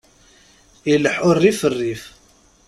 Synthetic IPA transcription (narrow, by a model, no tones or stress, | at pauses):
iləħʊrːifərːif